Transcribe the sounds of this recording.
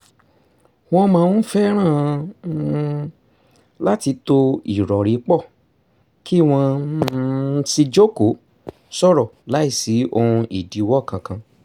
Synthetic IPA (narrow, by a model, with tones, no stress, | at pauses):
w̃ɔ̃˧mãː˧ũ˦fɛ˦ɾ̃ãː˦˨˦ | la˦ti˧˦to˧i˨ɾɔ˨ɾi˨˦k͡pɔ˦˨ | kʰi˦˨w̃ɔ̃˧˦si˧d͡ʒo˦ko˨˦ | sɔ˦˨ɾɔ˨la˨˦i˦˨si˨˦o˧hũ˧ʔi˨di˨˦wɔ˦˨kã˧kã˧